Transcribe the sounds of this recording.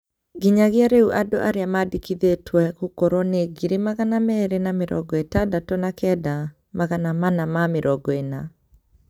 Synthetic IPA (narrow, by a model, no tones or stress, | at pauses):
ɡiɲaɣeaɾeuʔadoʔaɾeamadikiðetwɛɣukɔɾɔneɡiɾemaɣanamɛɾenameɾʔɔ̰ɡɔetadatɔnakɛda | maɣanamanamameɾʔɔɡɔena